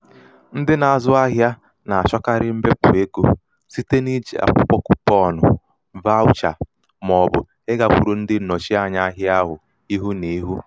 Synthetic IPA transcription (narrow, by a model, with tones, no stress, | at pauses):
n̩˦dɪ˦na˨a˨zʊ˦a˦ɦja˦ | na˨a˨t͡ʃɔ˦ka˦ɾɪ˦m̩˦be˦pʊ˨e˦ko˦ | si˦te˦ni˦d͡ʒḭ˨a̰˨k͡pɔ˦k͡pɔ˦kʊ˦pɔ˦˨nʊ˨ | va˦ʊ˦t͡ʃa˨ | mɔ˨bʊ˨ | e˦ɡa˨kʷu˨ɾu˨n̩˦dɪ˦˨no˨t͡ʃi˦a˦˨ɲa˦a˦ɦja˦ɦʊ˨ | i˦ɦu˦ne˨i˦ɦu˦